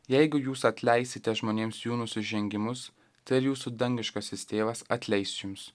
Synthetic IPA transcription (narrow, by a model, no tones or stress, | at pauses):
jɛɪɡʊjuːsɐt̪ʲlʲɛɪsʲɪt̪ʲɛʒmoːnʲeːmsjuːnʊsʲɪʒʲɛŋʲɡʲɪmʊs | t̪ɐɪɪɾjuːsud̪ɐŋʲɡʲɪʃkɐsʲɪsʲt̪ʲeːʋɐsɐt̪ʲlʲɛɪsjʊms